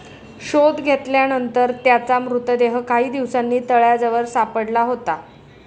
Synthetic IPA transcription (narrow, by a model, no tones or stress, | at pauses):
ɕod̪ɡʱet̪ljanənt̪əɾt̪jat͡samɾut̪əd̪eɦəkaɦiːd̪iʋsanːiːt̪əɭjad͡zəʋəɾsapəɽlaɦot̪a